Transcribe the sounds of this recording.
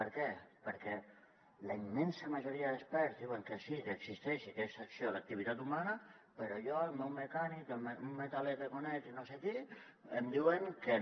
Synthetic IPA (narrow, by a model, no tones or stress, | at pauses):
pəɾkɛpəɾkɛ | ləimːɛnsəmaʒoɾiəðəspɛɾzðiwəŋkəsikəɡsist̪ɛʃikɛst̪aksiolak̚t̪iβit̪at̪umanəpəɾojɔəlmɛwməkanikəlmunmet̪alekəkonɛtinoseki | əmd̪iwəŋkə